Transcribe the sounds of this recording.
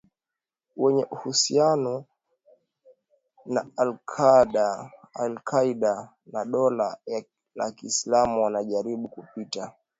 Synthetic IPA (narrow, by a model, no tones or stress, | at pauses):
wɛɲɛʔuhusianɔ | naalkʰaɗaalkʰaiɗa | naɗɔla | la̰kiːslamuwanaʄaɾiɓukupita